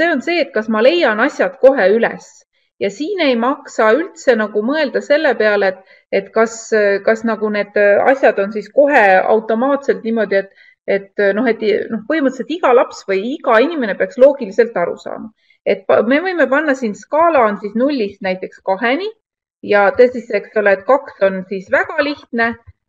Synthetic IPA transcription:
se̞ːo̞nse̞ːt̪̚kɑsmɑle̞jɑnɑsʲjɑd̪̥ko̞ɦe̞ylɛ̰s | jɑsiːne̞jmɑksɑylt̪se̞nɑɡ̥umɤeld̪̥ɑse̞lːe̞pe̞ɑleet̪ːˑ | e̞t̪kɑskɑsnɑɡ̥une̞ːd̪̥ɑ̰sʲjɑd̪̥o̞nsisko̞ɦe̞ɑ̰wt̪ːˑo̞mɑːt̪se̞lt̪niːmo̞d̪̥ʲie̞t̪ˑ | e̞t̪ːno̞ɦe̞t̪ːˑno̞hpɤɦimɤt̪ːset̪iɡ̥ɑlɑpsvɤjiɡɑinime̞nepeɑkslo̞ːɡ̥ilise̞lt̪ːˑɑɾṵsɑ̰ːmɑ | e̞t̪̚pme̞vɤ̞jme̞pɑnːɑsinskɑːlɑnsisnulʲːist̪næjt̪ːˑe̞kskɑɦe̞ni | jɑt̪ɤːsise̞kso̞leːt̪ˑkɑkso̞nsisvæɡ̥ɑliht̪ne̞

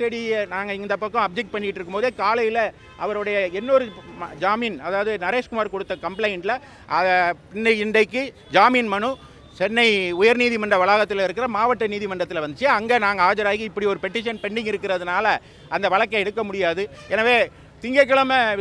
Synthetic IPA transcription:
sɛɽinaːŋɡɐɪnnd̪ɐpːɐkːɐ̃ɐb̚d͡ʒɛk̚ʈ̚pɐɳːɪɪʈːɪɾɯkːɯmpoːðeːkaːlɐjɪlɐ | ʔɐʋɐɾɯɽɐjɐɛnːɔɾɯd͡ʒaːmiːnɐðaːʋɐðɯnɐɾeːʂkʊmaːɾkɔɽɯt̪ːɐkɐmplɐɪnʈlɐ | ʔɐðpɪnːɐɪnɖɐɪkːɯ | d͡ʒaːmiːnmɐɳɯ | t͡ʃɛnːɐɪʊjɐɾniːðimɐɳɖrɐʋɐɭaːɣɐt̪ːɪlɪɾɯkːɪɾɐmaːʋɐʈːɐniːðimɐɳɖrɐt̪ːɪlʋɐnd̪t͡ʃːɪjeɐŋɡɐnaːŋɡɐaːd͡ʒɐɾaːɣiɪpːɐɽiɔɾɯpɛʈːɪʂɐnpɛɳːɪŋɡɪɾɯkːɪɾɐðɯnaːlɐ | ɐnd̪ɐʋɐɭɐkːɐɛɽɯkːɐmʊɽɪjaːðɯ | ɛnaːʋeː | t̪ɪŋɡɐk̬ːɐɭɐmɐ

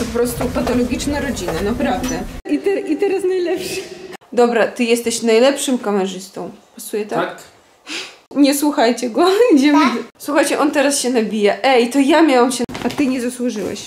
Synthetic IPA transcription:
pɔpɾɔst̪upat̪ɔlɔɡʲit͡ʂnaɾɔd͡ʑinanapɾavd̪ɛʔit̪ɛɾʔit̪ɛɾasnajlɛpʂɘd̪ɔbɾat̪ɨjɛst̪ɛɕnajlɛpʂɨmkamɛʐɘst̪ɔ̃w̃pasujɛt̪ak | ɲɛswuxajt͡ɕɛɡɔd͡ʑɛswuxajt͡ɕɛʔɔnt̪ɛɾasɕɛnabʲijaʔɛjt̪ɔjamʲjawamɕɛat̪ɘɲɛzaswuʐɨwɛ̰ɕ

